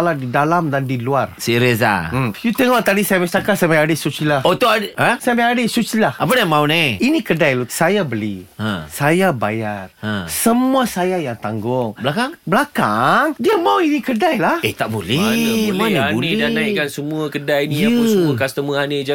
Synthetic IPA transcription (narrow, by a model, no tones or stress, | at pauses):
ladidalamdandiluarsiɾesa̰mjut̪əŋɔʔt̪adisajaməst̪akasajamaadəsut͡ʃilahot̪oaəsajamɛadəsut͡ʃilahap̬adamaunaiinĩkədajlosajabəliãsajaba̰jarə̃səmuasajajaŋt̪aŋɡʊŋblakaŋblakaŋdiamauinĩkədajlahet̪aʔbolɛmaaunidanaikansəmũəkədajniaəasəməkast̪əməanid͡ʒa